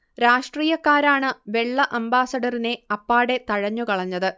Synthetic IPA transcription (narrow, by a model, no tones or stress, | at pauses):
ɾaːʂʈriːjɐkːaːɾaːɳɨʋe̞ɭːɐʔɐmbaːsɐɽɐrine̞ɐpːaːɽe̞t̪ɐɻɐɲːukɐɭɐɲːɐðɨ